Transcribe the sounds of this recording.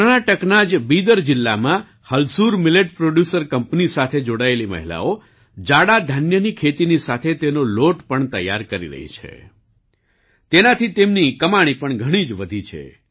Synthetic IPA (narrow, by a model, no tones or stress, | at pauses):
ɳ̃aʈəknad͡ʒbid̪əɾd͡ʒɪlːamã | həlsuɾmɪleʈ̚pɾoɖjusəɾkəmpnisat̪ʰed͡ʒoɽaelimə̰ɦila̰o | d͡ʒaɽad̪ʱanjənikʰet̪inisat̪ʰet̪enoloʈpəɳt̪əjːa̰ɾkəɾḭɾə̰ɦḭt͡ʃʰḛ | t̪enat̪ʰit̪emnikəmaɽ̃ipəɳɡʱəɽ̃id͡ʒʋəd̪ʱit͡ʃʰḛ